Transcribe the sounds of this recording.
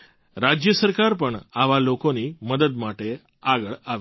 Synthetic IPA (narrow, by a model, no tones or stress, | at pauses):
ɾad͡ʑjəsəɾkaɾpəɳaʋalokoniːməd̪ət̪maʈe | aɡəɭaʋe